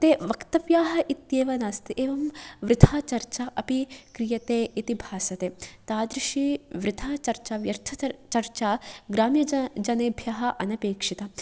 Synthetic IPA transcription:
t̪eːʋɐkt̪ɐʋjaːɦɐʔit̪jeːʋɐnaːst̪iʔeːʋɐmʋɾɪd̪ʰʱaːt͡ʃɐɾt͡ʃaːʔɐpikɾijɐt̪eːʔit̪ibʱaːsɐt̪eːt̪aːd̪ɾiʃiʋɾɪd̪ʰʱaːt͡ʃɐɾt͡ʃaːʋjɐɾt̪ʰɐt͡ʃɐɾt͡ʃaːɡɾaːmjɐd͡ʒɐneːbʱjɐɦɐʔɐnɐpeːkʂit̪ɐ

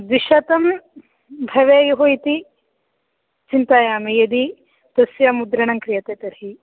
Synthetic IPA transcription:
ʋ̪iʃɐt̪ɐm | bʱɐʋeːjɐɦojt̪i | t͡ʃint̪aːjaːmejɐd̪i | t̪ɐsjɐmud̪ɾɐɳɐŋkɾijɐt̪eːt̪ɐɾɦi

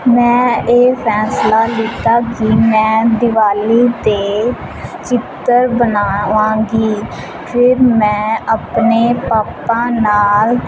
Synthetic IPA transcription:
mɛ̃ːeːpʰɛːslaːlɪt̪aːkɪmɛ̃ːd̪ɪʋaːliːt̪eː | t͡ʃɪt̪ːəɾbənaːʋãːɡiː | pʰɪɾmɛ̃ːapneːpaːpãːnaːl

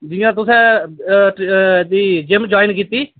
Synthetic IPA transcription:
d͡ʒɪjãːt̪ʊsɛ̃ːʈd̪iːd͡ʒɪmd͡ʒaːinkiːt̪iː

